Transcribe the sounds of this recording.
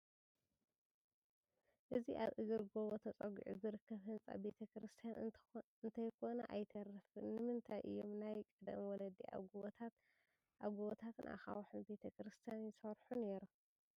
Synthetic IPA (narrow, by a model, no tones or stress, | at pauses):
ʔɨziʔaβʔɨɡɨɾɡoβot̪ʰɐt͡sʼɐɡṵʕṵzɨɾɨkʰːɐβɦɨnt͡sʼa̰be̞t̪ʰɐkɾɨst̪ʰijan | ɨnt̪ʰɐjkʰo̞nɐʔajt̪ʰɐɾɐfɨnːɨmɨnt̪ʰajʔɨ̰jːo̞mnajkʼɨd̪ɐ̰mwɔlɐd̪iʔa̰ɡuot̪ʰat̪ | ʔaɡuβot̪ʰat̪ɨnʔa̰xawħunbe̞t̪ʰɐkɾɨst̪ʰijanjɪsɐɾħune̞ɾu